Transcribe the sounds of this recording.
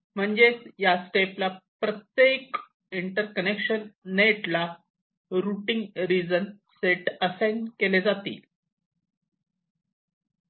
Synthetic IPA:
m̤əɳd͡zejasʈeplapɾət̪jek | iɳʈəɾkənekɕənːʈla | ɾuʈiŋɡɾid͡zən | seʈəsãjnɖkeled͡zat̪ḭːl

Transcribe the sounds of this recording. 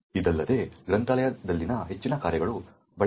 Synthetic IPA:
id̪ɐlːɐd̪e̞ɡɾɐnt̪ɐlɐjɐd̪ɐlːinɐɦe̞t͡ʃːinɐkaːɾjɐɡɐɭu | bɐɭ

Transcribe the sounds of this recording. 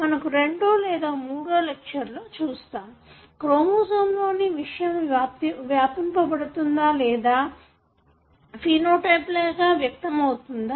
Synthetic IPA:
mɐnɐkuɾe̞ɳɖoːlɛːd̪aːmuːɽoːlekʂɐɾloːt͡ʃuːst̪aːm | kɾoːmuːsɐmlo̞ːniʋiʂɐjɐmaːp̪ʋjaːpɐmpɐpɐɽut̪und̪aːlɛːd̪aː | piːnoːʈɐjplɛːkaːʋjɐk̚t̪ɐmɐwut̪und̪aː

